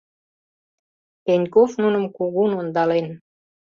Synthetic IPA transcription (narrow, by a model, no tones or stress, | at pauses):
penʲkofnunə̆mkuɣunond̪ɑlen